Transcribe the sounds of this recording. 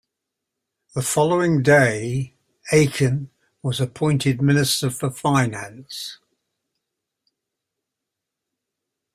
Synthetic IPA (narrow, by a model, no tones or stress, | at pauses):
ðəfɒləʊɪ̃ŋdeɪ | eɪkʰə̃n | wɒzəpʰɔ̃ɪ̃ntʰɪd̚mɪnɪstəfəfaɪnãns